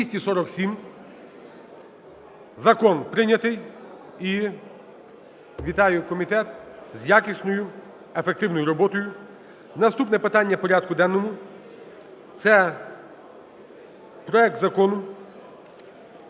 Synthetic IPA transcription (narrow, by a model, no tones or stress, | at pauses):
ʋisʲtʲisɔɾɔksʲim | zɐkɔnpɾɪnʲɐt̪ɪj | i | ʋʲit̪ɑjʊkɔmʲit̪ɛt̪zʲjakʲisʲnɔjʊ | efek̚t̪ɪwnɔjʊɾɔbɔt̪ɔjʊ | nɐst̪upnɛpɪt̪ɑnʲːɐpɔɾʲad̪̚kʊd̪ɛnːɔmʊ | t̪sɛ | pɾɔɛk̚t̪zɐkɔnʊ